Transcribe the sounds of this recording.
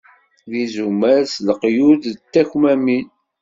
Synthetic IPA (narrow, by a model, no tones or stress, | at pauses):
ðizumæɾsləqjuðt̪ːæçmæmin